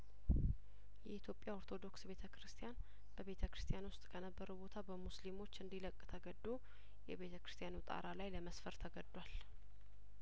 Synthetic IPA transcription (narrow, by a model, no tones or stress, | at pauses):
jɛit̪ʰjo̞pʼjao̞ɾt̪ʰo̞d̪o̞ksbe̞t̪ʰəkɾɨst̪ʰʼijan | b̥əβe̞t̪ʰəkɾɨst̪ʰʼjanwʊst̪ʼkʰənəbːəɾəwbo̞t̪ʰabəmuslimo̞t͡ʃːɨnd̪iləkʼːt̪ʰəɡəd̪ːo | jɛβe̞t̪ʰəkɾɨ̥st̪ʰʼjanut̪ʼa̰ɾalajləməsfəɾt̪ʰəɡəd̪ːwal